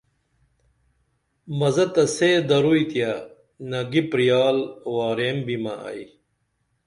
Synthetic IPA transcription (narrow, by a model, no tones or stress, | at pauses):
mɐzɐt̪ɐsed̪ɐɾujt̪jɐ | nɐɡipɾijaːlwaːɾeːmbimɐɐ̰i